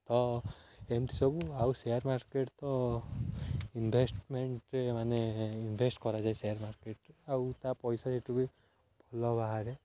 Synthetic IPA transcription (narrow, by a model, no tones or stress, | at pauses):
t̪ɔ | emt̪i̥sɔbuawsejaɾmaɾkeʈt̪ɔ | inbʱesʈmeɳʈɾemaneinbʱesʈkɔɾad͡ʒaesejaɾmaɾkeʈawt̪apɔjsaseʈubi | b̥ʱɔlɔbaɦaɾe